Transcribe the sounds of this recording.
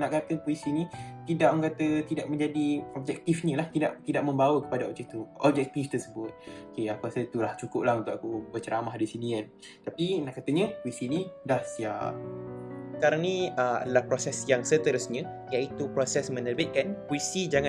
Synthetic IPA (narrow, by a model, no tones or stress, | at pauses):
naʔkat̪əpuisinĩt̪idaʔ̚mŋkat̪ət̪idaʔ̚mə̃ɲd͡ʒadiɔb̚d͡ʒɛk̚t̪ifɲə̃laht̪ida̰ʔt̪idaʔ̚məmbawəkə̥padaɔ̰b̚d͡ʒɛk̚t̪iɔb̚d͡ʒɛk̚t̪ift̪ərsəbʊt̪̚okeakuasəit̪ulaht͡ʃukʊp̚lahunt̪uʔakubət͡ʃəɾamahdisinian | t̪apinaʔkat̪əɲə̃puisinĩdahsia̰ʔ̚ | kaɾaŋniəa̰dəlahpɾosɛsjaŋsət̪əɾəsɲə̃ | jaʔit̪upɾosɛsmə̃nərbit̪̚kanpuisid͡ʒaŋã